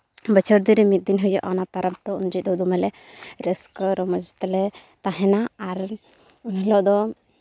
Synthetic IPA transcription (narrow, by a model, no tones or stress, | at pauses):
bət͡ʃʰɔɾd̪iɾɛmit̪̚d̪inɦujɔʔanapaɾab̚t̪ɔund͡ʒit̪̚ˀd̪ɔd̪umɛlɛ | ɾəskɔɾɔmɔd͡ʒt̪ɛlɛt̪aɦɛnaaɾ | unlɔʔd̪ɔ